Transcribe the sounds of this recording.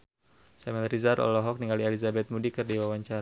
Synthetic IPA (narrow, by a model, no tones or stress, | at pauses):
samɛlrizaɾʔɔ̰lɔɦɔk̚niŋɡalielizabɛt̪̚mudikɨrdiwawaɲt͡ʃaɾa